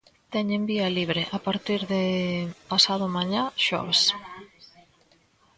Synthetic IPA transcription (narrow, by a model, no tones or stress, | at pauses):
t̪ɛɲembiɐliβɾɪʔapaɾt̪iɾðɪpasaðʊmaɲaʃɔ̰βes